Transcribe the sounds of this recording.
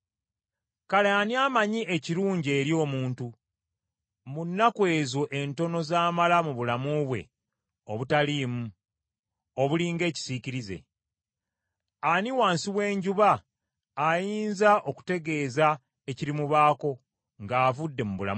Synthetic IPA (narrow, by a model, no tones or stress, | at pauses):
kaleaniamaɲiʔeciɾuːɲɟe̞ːɾjo̞ːmuːntu | munːakwe̞ːzoʔe̞nto̞no̞zaːmalamuβulamuβwe̞̰ | o̞βutaliːmu | o̞βuliːŋɡe̞ːci̥siciɾize̞̰ | aniwaːnsiwe̞ːɲɟuβaː | jiːnzaʔo̞ku̥te̞ɡe̞ːza | e̞ciɾimuβaːko̞ | ŋɡaːvudːe̞muβula̰m